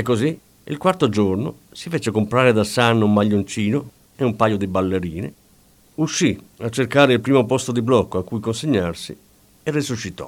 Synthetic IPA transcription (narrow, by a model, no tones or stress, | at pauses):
ɛkːozi | ḭlkwart̪od͡ʒorno̰sifet͡ʃekompɾaːɾed̪asanːumːaʎːont͡ʃiːno | eumpaːjod̪ibalːeɾiːnḛ | uʃːiat͡ʃːerkaːɾeilpɾiːmopɔst̪od̪iblɔkːoakːujkonseɲːarsi | erːisuʃːit̪ɔ̰